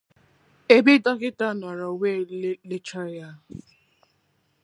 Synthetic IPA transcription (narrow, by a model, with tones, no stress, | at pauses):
e˦bi˦dɔ˦kɪ˦ta˦˨nɔ˨ɾɔ˨we˦lle˦t͡ʃa˦ɾja˦˨